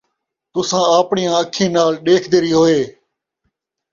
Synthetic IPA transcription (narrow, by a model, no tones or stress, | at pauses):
t̪ʊsãːəːpɳɪjãːəkʰẽːnaːlɗeːkʰd̪eːɾiːɦoːeː